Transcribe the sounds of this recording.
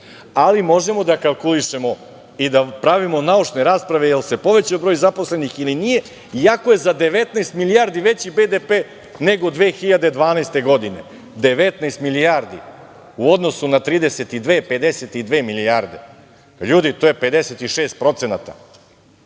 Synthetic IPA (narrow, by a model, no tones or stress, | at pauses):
alimo̞ʒe̞mo̞d̪akalˠkuliʃemo̞ | id̪apɾaʋimo̞naut͡ʂne̞ɾaːspɾaʋejelse̞po̞ʋe̞t͡ɕobɾojzaposle̞nixilinije̞ | jakoje̞zad̪e̞ʋe̞t̪najst̪milijaɾd̪iʋet͡ɕibed̪epeː | ne̞ɡo̞d̪ʋeːxiʎad̪ed̪ʋaːnajst̪e̞ɡo̞d̪ine̞ | d̪e̞ʋe̞t̪najst̪milijaɾd̪ḭ | uo̞d̪no̞sunat̪ɾiːd̪eset̪id̪ʋeːpe̞d̪eset̪id̪ʋeːmilijaɾd̪e̞̰ | ʎuːd̪it̪oːjepe̞d̪eset̪iʃeːst̪̚pɾo̞t̪senat̪a̰